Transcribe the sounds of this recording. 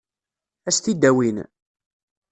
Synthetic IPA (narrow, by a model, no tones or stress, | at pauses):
æst̪id̪æwin